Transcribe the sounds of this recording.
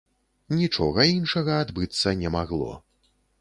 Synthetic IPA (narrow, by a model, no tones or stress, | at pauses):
nʲit͡ʂɔɣɐinʂɐɣɐad̪bɨt̪sːɐnʲɛmaɣlˠɔ̰